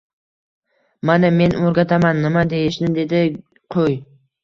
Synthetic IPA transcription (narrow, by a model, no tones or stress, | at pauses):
maname̞noɾɡʲat̪ʰamanːɪmad̪e̞jɪʃnɪd̪e̞d̪ɪ | qʰoj